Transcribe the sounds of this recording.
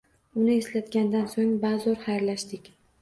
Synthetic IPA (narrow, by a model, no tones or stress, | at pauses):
ʊnɪe̞slat̪ɡʲand̪ansoŋbazɒɾhajɾlaʃd̪ɪkʲ